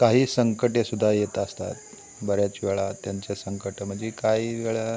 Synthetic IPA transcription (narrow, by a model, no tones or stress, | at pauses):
kaɦiːsəŋkəʈjesud̪ʱːajet̪əst̪a̰t̪̚ | bəɾjat͡ɕiʋeɭat̪jaɲt͡ɕjasəŋkəʈəm̤əɳd͡zekaɦiʋeɭa